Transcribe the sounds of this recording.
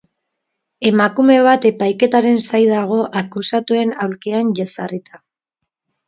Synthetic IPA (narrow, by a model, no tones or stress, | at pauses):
e̞makume̞β̞at̪e̞pajke̞t̪aɾe̞nsajðaɣ̞o̞ʔakusat̪ue̞nawlkianʝasarit̪ḁ